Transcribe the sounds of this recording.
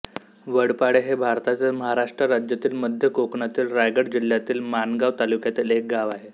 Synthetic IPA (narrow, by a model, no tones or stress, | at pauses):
ʋəɽpaɽeɦebʱaɾt̪at͡ɕaməɦaɾaʂʈɾəɾad͡ʑjat̪iːlməd̪ʱjəkokɳat̪iːlɾajɡəɽd͡ʑil̤jat̪iːlmanɡaʋt̪alukjat̪iːlek̚ɡaʋaɦe